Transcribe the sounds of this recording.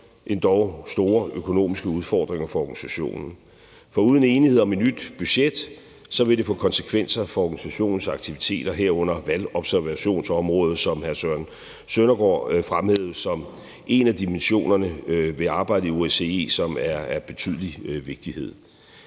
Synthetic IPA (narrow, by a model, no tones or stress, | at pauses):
ʔe̝nd̥ɒʊsd̥o̝ːɐøkʰo̝no̝̰ːmisɡ̥əuð̞ˠfɒ̰ːd̥ʁeŋɐfɒ̽ɒɡ̥ænisæɕo̝̰ːnn̩ | fɒ̽uːð̞ˠn̩e̝ːniheðˠɒ̽me̝d̥nyd̥b̥yɕed̥ | sɒ̽ʋe̝d̥e̝fɔ̰̽ːkʰɒ̽nsə̥kʰʋen̰sɐfɒ̽ɒɡ̥ænisæɕo̝̰ːnn̩sɑ̈ɡ̥̚t͡sʰiʋit͡sʰe̝̰ːd̥ɐɦeɐ̰ɔ̽n̰ɐʋælɒ̽b̥sæɐʋæɕo̝̰ːnsɒ̽mʁɔ̽ːð̞̩ˠsɒ̽mhæɐsøɐn | sønɐɡ̥ɒ̰ːfʁamheðˠsɒ̽m | ʔe̝næd̥imenɕo̝̰ːnɐnəʋe̝ɑ̈ːb̥ɑ̈ɪ̰dəio̝ese̝e̝̰ːsɒ̽mæɐæb̥e̝t͡sʰy̰ð̞̰ˠəliʋe̝ɡ̥̚d̥ihe̝ð̰ˠ